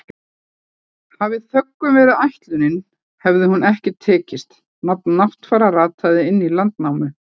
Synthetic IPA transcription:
havɪθœkːʏmvɛːɾʏðajht̪lʏnɪn | hɛvðɪhunɛhcɪt̪ʰɛːcɪst̪ | nap̚nːaht̪faːɾaraːt̪ʰajðɪɪnːilant̪nawmʏ

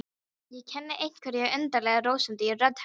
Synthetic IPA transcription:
jɛcʰɛnːɪʔejɲ̥kʰvɛɾjɛɣœnt̪aɾlɛːɣaroːwsʏnt̪ɪirœt̪h

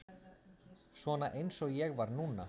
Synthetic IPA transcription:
svɔnaʔejnsɔɣjɛɣvaɾnuːna

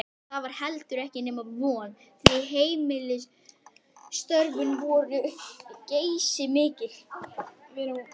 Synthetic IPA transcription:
θaðvaɾ̥hɛlt̪ʏɾɛhcɪnɛːmavɔːn | θviɦeːjmɪlɪ | st̪œɾvʏnvɔːɾʏcejsɪmɪːcɪl̥

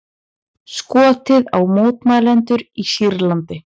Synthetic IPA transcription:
skɔːt̪ɪðawmoːwt̪maːðlɛnt̪ʏɾisiɾlant̪ɪ

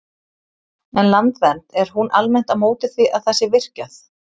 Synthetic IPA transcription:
ɛnlant̪vɛnt̪ɛɾ̥ɦunʔalmɛn̥t̪amoːwt̪ɪθviʔaðθɛsːɪvɪr̥caθ

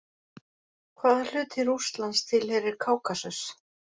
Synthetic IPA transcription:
kʰvaːðal̥ʏːt̪ɪɾust̪lanst̪ʰɪlhɛɾɪɾkʰaːwkasœs

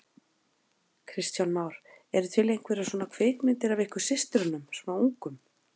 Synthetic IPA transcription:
kʰɾɪst̪jawnmawɾ̥ | ɛɾt̪ʰvɪlejŋ̥kvɛɾasɔːnakʰvɪːkmɪnt̪ɪɾavɪhkʏ̥sɪst̪ɾʏnʏmsmawuŋkʏm

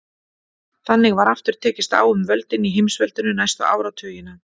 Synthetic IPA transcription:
θanːɪɣvaɾaft̪ʏɾ̥t̪ʰɛːcɪst̪a̰ːwʏmvœlt̪ɪniɦɪmsvœlt̪ɪnʏnajst̪aʔa̰ːwɾawt̪ʰœːjɪna

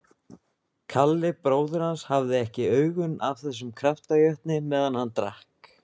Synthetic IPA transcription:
kʰalːɪpɾoːwðʏɾ̥hanshavðɪɛhcɪœːɥɣʏnavθɛsːʏmkʰɾaft̪ajœht̪nɪmɛːðanhanːt̪ɾa̰hk

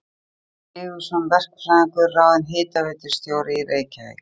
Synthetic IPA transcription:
ɪːɣʏ̥sɔmvɛr̥kfɾaakʏraːwðɪnɦɪːt̪avɛːt̪ɪ̥st̪joːwɾɪiɾeːjcaɛ̰̥

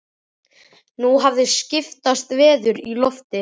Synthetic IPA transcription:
nuɦavðɪscɪft̪ast̪vɛːðʏɾilɔft̪ɪ

